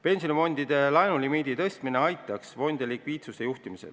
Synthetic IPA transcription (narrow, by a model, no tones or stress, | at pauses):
pe̞nsinomo̞nʲd̪̥id̪̥e̞lɑenulimiːd̪it̪ɤst̪mine̞ɑjt̪ːˑɑksvo̞nʲd̪̥ʲelikviːt̪suse̞juht̪imisḛl